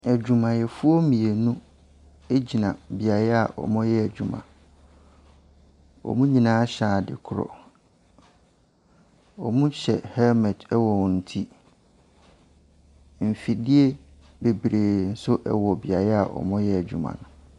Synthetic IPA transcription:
æ˨d͡ʑᶣu˨mã˨jɛ˨fu˦o˦mĩ˨e˨nũ˦ | e˦d͡ʑi˨nã˨bi˨a˨ɾɛ˦a̰˨ʔɔ̰˨mʊ̃˦jɛ˦æ˨d͡ʑᶣu˨mã̰˨ | ɔ̰˨mũ˦ɲĩ˨nãː˨˦ɕaː˨dɪ̰˨kʰʊ˦ɾɔ̰˨ | ɔ̰˨mũ˦ɕɛ˨hɛ˦lmɛ˨tɛ˦wɔ˨wɔ̃˨n̩˨tʰi˦ | m̩˨fi˨di˦e˦ | be˨bɾeː˨n̩˦sʊ˦ʔɛ˨wɔ˨bi˨a˨ɾɛ˦a̰˨ʔɔ̰˨mʊ̃˦jɛ˦æ˨d͡ʑᶣṵ˨mã̰˨nʊ̃˨

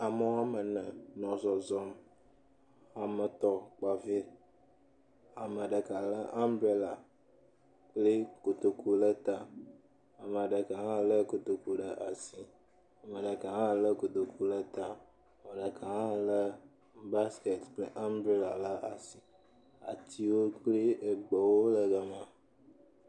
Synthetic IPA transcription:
a˨mə˨wa˦mə˨nə̃˨nɔ̃˨zɔ˨zɔ˦m | a˨mə˨t̪ɔ˦k͡pa˨ve˦ | a˨mə˨ɖə˨ka˨lə˦ʔa˦mbɾe˦la˨ | k͡pleə˦ko˨t̪o˨ku˦lə˦t̪a˦ | a˨mə˨a˨ɖə˨ka˨ɦã˦˨lə˦ko˨t̪o˨ku˦ɖə˨ʔa˨si˨ | a˨mə˨ɖə˨ka˨ɦã˦˨lə˦ko˨t̪o˨ku˦lə˦t̪a˨ | mə˨ɖə˨ka˨ɦã˦lə˦ | ba˦ske˨t̪k͡plə̰˦ʔã˦mbɾe˦la˨lə˦ʔa˨si˨ | a̰˨t̪ʰi˦wo˦k͡ple˦e˨ɡ͡bɔ˨wo˦lə˨ɡə˨mã˨

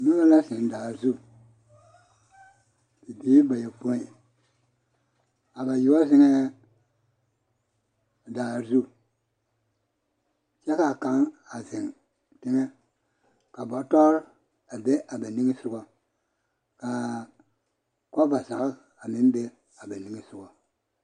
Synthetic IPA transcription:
nu˦ba˦la˦si˨n˨da˨zu˦ | b̥i˨bi˦ba˨je˨po˦i˨ | a˨ba˨ju˦wa˦zi˦ŋe˦˨ | da˨zu˦ | se˦ka˨ka˨˦ŋa˨zi˨ŋ | ti˦ŋe˦ | ka˨bo˨˦to˦ɾ | a˨be˦ʔa˨ba˨ni˦ŋi˦su˦ɡo˦ | ka˨ | ko˦ba˨za˨ka˦ | a˨mi˨˦n˦be˦ | a˨ba˨ni˦ŋi˦su˦ɡo˨

